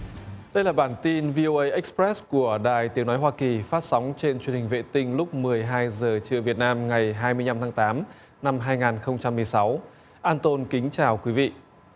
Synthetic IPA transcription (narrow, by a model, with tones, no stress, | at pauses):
ɗə˧jlaː˨˩ɓaː˧˩nt̪i˧nvi˧ʔo˧ʔə˧jʔa˦˥k̚spɾɛ˦˥sku˧˩əɗa̰ː˨˩jt̪i˨˦əwnɔ˨˦jɦwaː˧ki˨˩faː˦˥t̚sa˨˦wŋ͡mt͡ɕe˧nt͡ɕwənhï˨˩ŋ̟vḛ˧˨t̪ï˧ŋ̟lʊ˦˥k͡p̚mɨ˨˩əjɦaː˧jzəː˨˩t͡ɕɨ̰˧˨əvi˨˩ət̚naː˧mŋa˨˩jɦaː˧jmɨ˧əɲna˧mt̪ʰaː˨˦ŋt̪aː˨˦m | na˧mɦaː˧jŋaː˨˩nxə˧wŋ͡mt͡ɕa˧mːɨ˨˩əjsa˨˦w | ʔaː˧nt̪o˧nkï˨˦ŋ̟t͡ɕaː˨˩wkwi˨˦vḭ˧˨ʔ